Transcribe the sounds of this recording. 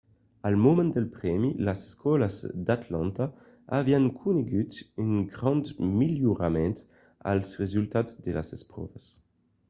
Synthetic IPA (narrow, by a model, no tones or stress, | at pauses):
almomɛ̃nd̪ɛlpʁɛmilazeskɔlazd̪at̪lɑ̃nt̪a | aviaŋkʰuneɡyt̪yŋɡʁɑ̃nd̪miljuʁamɛ̃nt̪ | a̰lsʁezylt̪atzd̪ela̰zɛspʁɔ̰vas